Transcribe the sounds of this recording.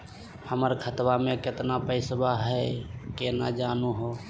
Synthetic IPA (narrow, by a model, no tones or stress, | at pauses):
həməɾkʰət̪wamẽkɪt̪napəɪsbaɦəkenad͡ʒanuɦo